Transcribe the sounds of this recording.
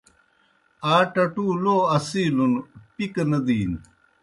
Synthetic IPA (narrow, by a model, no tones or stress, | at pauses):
aːʈɐʈuːloːɐsiːlunpiknɐd̪iːn